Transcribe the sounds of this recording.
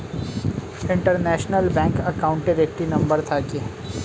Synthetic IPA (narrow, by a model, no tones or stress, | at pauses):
ɪ̃ɳʈəɾnɛːʃnəlbɛ̃ːŋkɐkaːʊ̃ɳʈeɾeːk̚ʈinɐ̃mbəɾt̪ʰaki